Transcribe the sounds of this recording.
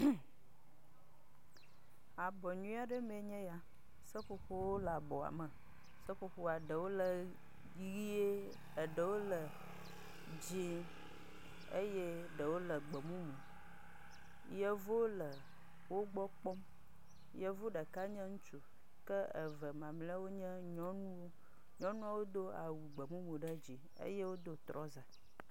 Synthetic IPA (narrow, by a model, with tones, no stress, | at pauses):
a˨bɔ˨ɲũ˦a˦ɖə˦mẽ˨ɲɛ̃˦ja˦ | sə˦ɸo˦ɸo˦wo˦la˨bɔ˨a̰˨mə˨ | sə˦ɸo˦ɸo˦a˨ɖə˨wo˦lə˨ | ɣi˦e˦ | ə˨ɖə˨wo˦lə˨ | d͡ʑi˦ | ḛ˦je˦ɖə˨wo˦lə˨ɡ͡bə˨mũ˦mũ˨ | jə˦vo˦lə˨ | wo˦ɡ͡bɔ˦k͡pɔ˦m | jə˦vo˦ɖə˨ka˦ɲɛ̃˦ŋũ˦t͡ʃu˨ | kə˦ə̰˨və˨mã˨mle˦a˦wo˦ɲɛ̃˦ɲɔ̃˦nũ˦wo˦ | ɲɔ̃˦nũ˦a˦wo˦d̪o˦a̰˨wu˨ɡ͡bə˨mũ˦mu˨ɖə˦d͡ʑi˨ | ə̰˦je˦wo˦d̪o˦t̪ɾɔ˦za˨